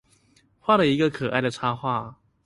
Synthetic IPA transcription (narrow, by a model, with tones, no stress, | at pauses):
xwa˥˩də˨˩i˧˥ɡə˨kʰɤ˨˩ʔa̰˥˩ɪd̪ə˩t͡sʰa˥xwa˥˩